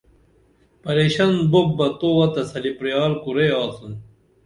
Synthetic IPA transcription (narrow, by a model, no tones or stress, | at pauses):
pɐɾeːɕɐnboːɐt̪owɐt̪ɐsɐlipɾijɑːlkuɾeɑːsun